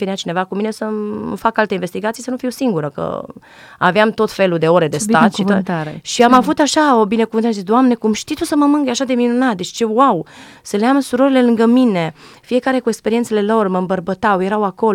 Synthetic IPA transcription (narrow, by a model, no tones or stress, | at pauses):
eneat͡ʃine̞vakuminesəfakalt̪einvest̪iɡat̪sijsənufiwsiŋɡuɾəkə̰ | a̰veamt̪o̞t̪fe̞lud̪e̞o̞ɾe̞d̪est̪at̪ʃiot̪t̪aeʃiamavut̪aʃaobine̞kuvɨnəɾazisd̪oamne̞kumʃt̪it̪usəməmɨŋɡəjaʃad̪e̞minunat̪d̪e̞t͡ʃt͡ʃe̞wawsəleamsuɾo̞ɾile̞lɨŋɡəmine̞fije̞kaɾe̞kue̞kspeɾient̪sele̞lo̞rməɨmbərbət̪awje̞ɾawako̞l